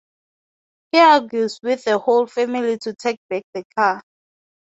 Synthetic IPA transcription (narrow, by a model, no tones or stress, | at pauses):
hiaɡjuswiθəholfɛmilitʰutʰek̚b̥ɛk̚ðəkʰa